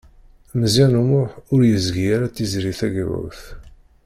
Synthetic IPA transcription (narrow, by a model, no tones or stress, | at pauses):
mzænumʊħʊɾjəzɡijaɾat͡sːizɾiθæɡʕṵθ